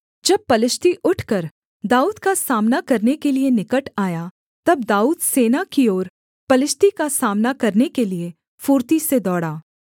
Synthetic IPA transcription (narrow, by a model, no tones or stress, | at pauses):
d͡ʒɐb̚pɐlɪʃt̪iʔʊʈʰkɐɾ | d̪aːuːd̪kasaːmnakɐɾnekelienɪkəʈaːja | t̪ɐb̚d̪aːuːd̪seːnakioːɾ | pɐlɪʃt̪ikasaːmnakɐɾnekelie | fuːɾt̪ised̪ɔːɽaː